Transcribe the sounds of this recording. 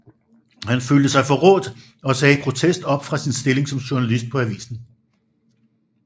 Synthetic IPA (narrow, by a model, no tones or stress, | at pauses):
hænfyld̥əsɑ̈ɪfɒ̽ʁɔ̰̽ːd̥ | ɒ̽sɛːipʰʁo̝t͡sʰesd̥ɒ̽b̥fʁɑ̈sinsd̥e̝le̝ŋsɒ̽mɕuɐnælisd̥̚pʰɒ̽æʋḭːsn̩